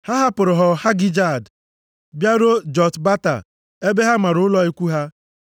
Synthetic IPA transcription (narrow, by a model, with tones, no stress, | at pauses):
ha˦ɦa˦pʊ˨ɾʊ˨ɦɔ˨ha˦ɡɪ˦d͡ʒa˦˨d | bja˦ɾo˦d͡ʒɔ˨tba˦ta̰˨ | e˦be˦ɦa˦ma˨ɾʊ˦ʊ˦lɔ˦i˦kʷu˦ɦa˦